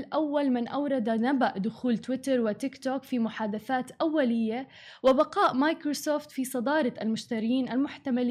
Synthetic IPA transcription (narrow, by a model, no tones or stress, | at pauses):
lʔawːalmɪnʔawɾˤɑd̪anabaʔd̪ʊxuːlt̪wɪt̪ɑɾˤwɪt̪ɪkt̪oːkfimʊħaːd̪aθaːt̪ʔawːalɪjːa | wɪbaqɑːʔmajkɾosoːft̪fisˤɑd̪ɑːɾˤɑʔalmʊʃt̪aɾɪjiːnʔalmʊħt̪amal